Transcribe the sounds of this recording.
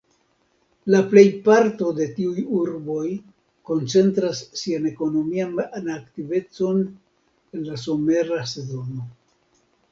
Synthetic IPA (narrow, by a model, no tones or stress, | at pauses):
laple̞jpaɾtode̞tiujuɾbo̞j | ko̞nt͡se̞nt̪ɾasːiane̞ko̞no̞miananaktive̞t͡so̞n | e̞nlas̬o̞me̞ɾase̞zo̞no̞